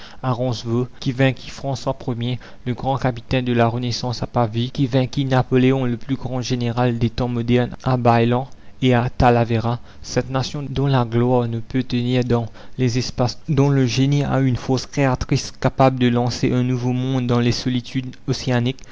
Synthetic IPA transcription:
aʁɑ̃svokʲivɛ̃kʲʰi̥fχɑ̃swapχəmje | ləɡʁɑ̃kapit̪ɛ̃d̪əlaʁənesɑ̃sapavikʲivɛ̃kinapɔleɔ̃ləplyɡʁɑ̃ʒeneʁald̪et̪ɑ̃mɔd̪ɛʁnabajlɑ̃eat̪alaveʁa | sɛt̪nasjɔ̃d̪ɔ̃laɡlwaːʁnəpøt̪əniʁd̪ɑ̃lezɛspasd̪ɔ̃ləʒenia̰ynfoskχeat̪χiskapabləd̪əlɑ̃seʔɛ̃nuvomɔ̃d̪ːɑ̃lesɔlit̪ʰyd̪oseanik

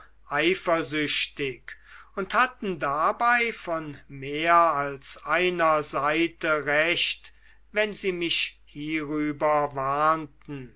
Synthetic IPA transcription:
ʔaɪfɐzʏʃtɪkʊnthatn̩dabaɪfɔnmeːɐalsʔaɪnɐzaɪtəʁɛʃt | vɛnziːmɪʃhiːʁyːbɐvaːntn̩

